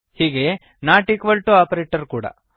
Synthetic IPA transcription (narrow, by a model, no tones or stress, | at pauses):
hiːɡe̞ | naːʈikʋɐlʈuaːpɐɾeːʈɐɾkuːɽɐ̰